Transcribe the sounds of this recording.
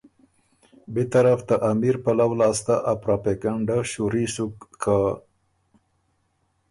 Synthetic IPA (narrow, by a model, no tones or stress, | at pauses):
bet̪aɾaft̪aʔamiɾpalawlɑst̪aʔapɾapekaɳɖaʃuɾisukːʰa